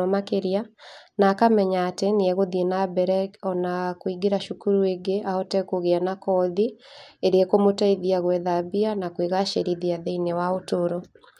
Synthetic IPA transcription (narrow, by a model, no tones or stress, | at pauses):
ɔmakeɾianaːkamɛɲaːteneɛɣoðienabɛɾɛɔnakoiɡeɾaʃukuɾueɡeʔaɔtɛkoɣeanakɔðieɾeɛkomotaiðiaɣwɛðabianakweɣaʃeɾiðiaðeinewaotoɾo